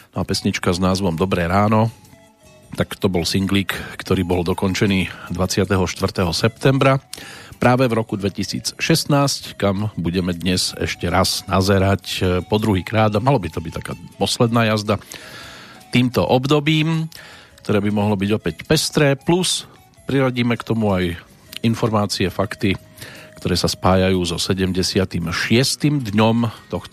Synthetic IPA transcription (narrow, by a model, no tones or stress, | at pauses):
nɔapɛsɲit͡ʃkaznaːzʋɔmd̪ɔbɾɛːɾaːnɔ | t̪akt̪ɔbɔlsiŋɡliːkkt̪ɔɾiːbɔld̪ɔkɔɲt͡ʃɛniːd̪ʋat͡sɪat̪ɛɦɔʃt̪ʋr̩t̪ɛːɦɔsɛpt̪ɛmbɾapɾaːʋɛvɾɔkud̪ʋɛcisḭːt͡sʃɛsnaːsckambuɟɛmɛd̪ɲɛzɛ̰ʃcɛɾaz̥nazɛɾacpɔd̪ɾuɦiːkɾaːd̪amalɔbit̪ɔbic̚t̪akaːpɔslɛd̪naːjazd̪a | t̪iːmt̪ɔ̰ʔɔbd̪ɔbiːmkt̪ɔɾɛːbimɔɦlɔbiɟɔpɛcpɛst̪ɾɛːplus | pɾiɾaɟiːmɛkt̪ɔmuaj | infɔɾmaːt͡siɛfakt̪i | kt̪ɔɾɛːsaspaːjajuːzɔsɛɟɛmɟɛsɪat̪imʃɪɛst̪iːmd̪ɲɔmt̪ɔx